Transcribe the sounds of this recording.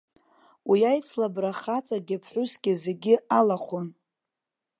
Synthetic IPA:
wijajt͡sʰlabraχat͡sʼaɡʲɪpʰħʷʊsɡʲɪzeɡʲɪalaχʷon

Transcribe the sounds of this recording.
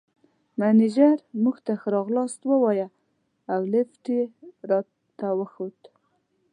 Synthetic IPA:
manid͡ʒaɾmuɡt̪axəɾɑɣlɑst̪wəwɑja | awlɪfʈiɾɑ | t̪awəxod̪

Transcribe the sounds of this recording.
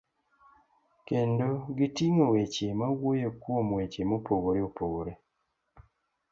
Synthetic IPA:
kendoɡitiŋowet͡ʃemawojokwomwet͡ʃemopoɡoɾeopoɡoɾe

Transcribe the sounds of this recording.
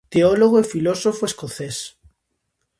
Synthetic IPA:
t̪eoloɣoefilosofoeskoθes

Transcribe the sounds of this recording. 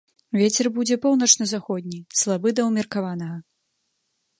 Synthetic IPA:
vʲɛt͡sʲɛrbud͡zʲɛpɔwnɐt͡ʂnɐzaxɔd̪ʲnʲislˠabɨd̪ɐwmʲɛrkavanɐɣɐ

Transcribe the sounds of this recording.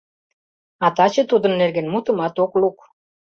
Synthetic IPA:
ɑt̪ɑt͡ɕɤ̆t̪ud̪ə̆nːerɡenmut̪ə̆mɑt̪okluk

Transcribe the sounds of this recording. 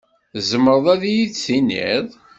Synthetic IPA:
zəməɾˤðˤæðjisinḭðˤ

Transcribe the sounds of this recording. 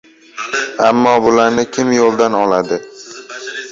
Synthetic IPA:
amːɒbʊlaɾnɪkʲʰɪmjolˠd̪anɒlad̪ɪ

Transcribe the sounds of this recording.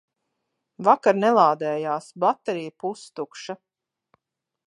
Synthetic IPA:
vakaɾnɛlˠaːd̪ɛːjaːsbat̪ːeɾijpust̪ukʃa

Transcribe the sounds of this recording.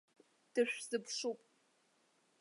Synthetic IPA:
d̥ɨʃᶣzɨpʰʂupʼ

